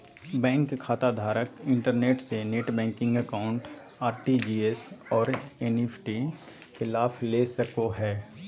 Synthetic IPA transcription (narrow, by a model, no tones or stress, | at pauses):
bɛ̃ːŋkʰːaːt̪ad̪ʱaːɾəkɪ̃ɳʈəɾneːʈseneːʈbɛ̃ːŋkɪ̃ŋɡəkaːʊ̃ɳʈ | aːɾʈid͡ʒiːesɔːɾeːneːpʰʈi | xɪlaːfleːsəkoɦɛː